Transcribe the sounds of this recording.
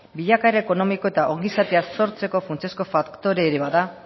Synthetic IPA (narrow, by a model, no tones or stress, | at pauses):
biʎakaeɾeeko̞no̞miko̞e̞t̪aʔo̞ŋɡisat̪e̞aso̞ɾt͡se̞ko̞funt͡sesko̞fakkt̪o̞ɾe̞ːɾeβaða